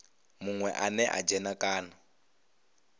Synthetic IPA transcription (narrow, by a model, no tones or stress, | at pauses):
muŋwɛʔanɛʔa̰d͡ʒɛnakʼaːna